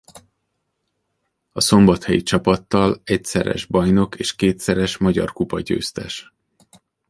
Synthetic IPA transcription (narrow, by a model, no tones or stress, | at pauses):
ɒso̞mbɒt̪hɛjit͡ʃɒpɒt̪ːɒlɛcsɛɾɛ̰ʒbɒjno̞keːʃkeːt̪sɛɾɛʃmɒɟɒ̰rkupɒɟø̰ːst̪ɛʃ